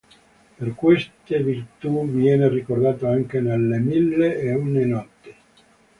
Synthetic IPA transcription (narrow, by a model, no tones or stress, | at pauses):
perkwest̪evirt̪uvjɛːnerikord̪aːt̪oaŋkenelːemilːeeunenɔt̪ːi̥